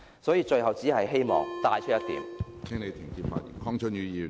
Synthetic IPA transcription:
sɔː˨˥jiː˨˧t͡ʃɵ˧ɥhɐ˨wt͡siː˨˥hɐ˨jɦe˥jmɔ̰ː˨ŋt̪aː˧jt͡ʃʰɵ˥jɐ˥t̪ḭː˨˥mt̪ʰɛː˥ŋne˨˧jt̪ʰɪ˨˩ŋkiː˧p̚fa̰ː˧t̚jy̰ː˨˩nkʰɔː˥ŋt͡sʰɵ˥njyː˨˧jiː˧

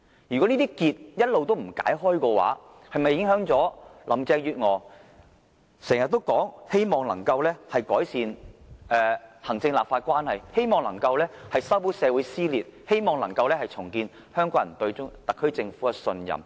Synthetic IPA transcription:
jy˨kɔ˨˥niː˥t̪iː˥kiː˧t̚jɐ˥t̚lo˨wt̪o˥wm̩˨˩ka̰ː˨˥jɦɔː˥jkɔː˧wa̰ː˨˥ | hɐ˨jmɐ˨jːɪ˨˥ŋɦœː˨˥ŋt͡sɔː˨˥lʔɐ̰˨mt͡sɛː˧jyː˨t̚ŋɔː˨˩ | sɛː˨˩ŋjɐ˨t̪̚ːo˥wkɔː˨˥ŋhe˥jmɔː˨ŋlɐ̰˨˩ŋkɐ˧wlɛː˥hɐ˨jkɔː˨˥jsiː˨nʔɛː˨˧hɐ˨˩ŋt͡sɪ˧ŋlaː˨p̚faː˧t̚kʷwaː˥nhɐ˨jhe˥jmɔː˨ŋlɐ˨˩ŋkɐ˧wlɛː˥hɐ˨jsɐ˥wpu˨˥sɛː˨˧wuː˨˥jsiː˥liː˨t̚he˥jmɔː˨˩ŋlɐ˨˩ŋkɐ˧wlɛː˥hɐ˨jt͡sʰʊ˨˩ŋkiː˧n | hœː˥ŋkɔː˨˥jɐ˨˩nt̪ɵ˧ɥʊ˥t̪ɐ˨kʰːɵ˥ɥt͡sɪ˧ŋfuː˨˥kɛ˧sɵ˧njɐ̰˨m

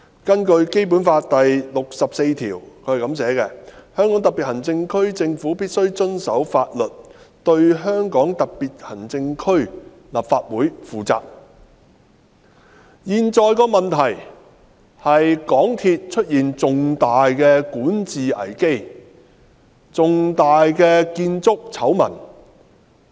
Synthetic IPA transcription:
kɐ˥nkɵ˧ɥke˥jp̬uː˨˥nfaː˧t̚t̪ɐ˨jlʊ˨k̚sɐ˨p̚se˧jt̪ʰḭː˨˩wkʰɵ˨˧˥hɐ˨˩kɐ˨˧˥ms̬ɛː˨˥kɛ˧hœː˥ŋkɔ˨˥ŋt̪ɐ˨pːi˨t̚hɐ˨˩nt͡sɪ˧ŋkʰɵ˥ɥt͡sɪ˧ŋfuː˨˥piː˥t̚sɵ˥ɥt͡sɵ˥nsɐ˨˥wfaː˧t̚lɵ˨t̚t̪ɵ˧ɥɦœː˥ŋkɔː˨˥ŋt̪ɐ˨k̚piː˨t̚hɐ˨˩nt͡sɪ˧ŋkʰɵ˥ɥ | laː˨p̚faː˧t̚wuː˨˥jfuː˨t͡sa̰ː˧k̚ | jiː˨nt͡sɔː˨˧jkɔː˧mɐ˨nt̪ʰɐ˨˩j | hɐ˨jkɔː˨˥ŋt̪ʰiː˧t̚t͡ʃʰɵ˥t̚jiː˨˩nt͡sʊ˨ŋt̪aː˨jkɛː˧kuː˨˥nt͡siː˨ɐ̰˨˩jke˥j | t͡sʊ˨ŋt̪aː˨jkɛː˧kiː˧nt͡sʊ˥k̚t͡sʰɐ˨˥wmɐ̰˨˩n

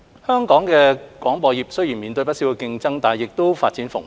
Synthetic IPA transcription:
hœː˥ŋkɔː˨˥ŋkɛː˧kwɔː˨˥ŋpɔː˧jiː˨˩p̚sɵ˥ɥjiː˨˩nmiː˨nt̪ɵ˧ɥpɐ˥tsi˨˥wkɛ˧kɪ˧ŋt͡sɐ˥ŋt̪aː˨jɪ˨k̚t̪o˥wfaː˧t̚t͡siː˨˥nfʊ̰˨˩ŋ

